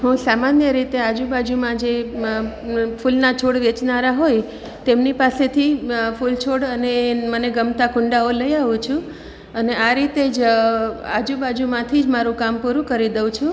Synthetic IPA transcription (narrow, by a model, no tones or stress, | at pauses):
ɦũsamanjəɾit̪ead͡ʒubad͡ʒumãd͡ʒe | fulnat͡ʃʰoɽʋet͡ʃnaɾaɦoj | t̪emnipaset̪ʰifult͡ʃʰoɽəneməneɡəmt̪akʊ̃ɳɖaoləjaʋũt͡ʃʰũ | əneaɾit̪ed͡ʒ | a̰d͡ʒubad͡ʒumãt̪ʰid͡ʒmaɾũkampuɾũkəɾid̪əʋ̃t͡ʃʰũ